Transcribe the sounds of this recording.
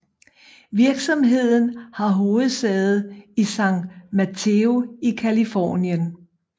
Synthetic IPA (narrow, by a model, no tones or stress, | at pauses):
ʋiɐɡ̥sɒ̽mɦe̝ð̞̰ˠn̩hɑ̈ɦo̝ːð̩ˠsɛð̩ˠisɑ̈ŋ̰d̥mæt͡sʰeo̝ikʰælifɒ̰ːnjən